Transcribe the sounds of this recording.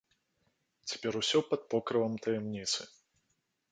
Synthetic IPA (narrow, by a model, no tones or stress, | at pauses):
t͡sʲḁpʲɛɾusʲɔpɐt̪̚pɔkɾɨvɐmt̪ɐjɛmnʲit̪sɨ